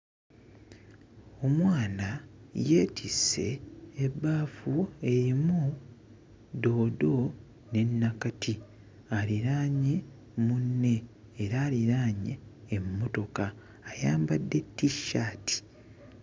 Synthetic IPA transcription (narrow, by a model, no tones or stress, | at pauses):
o̞mwaːnaje̞ːtʰise̞̰ːbːaːfue̞ɾimu | do̞ːdo̞ | ne̞nːakatʰi | aliɾaːɲe̞ | munːe̞ː | ɾaːliɾaːɲḛːmːo̞to̞kaː | jaːmbadːe̞tːiʃːaːtʰi̥